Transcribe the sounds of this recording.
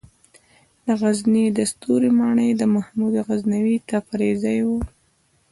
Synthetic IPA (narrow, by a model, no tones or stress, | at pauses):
d̪əɣaznid̪əst̪uɾimɑɳəjd̪əmahmud̪aɣaznawit̪apaɾezajwu